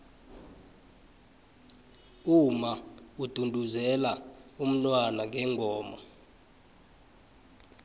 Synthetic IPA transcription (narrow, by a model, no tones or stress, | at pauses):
umaud̥ʱundʱuzɛlaum̩nwanaŋʱɛŋʱɔːmɔ̰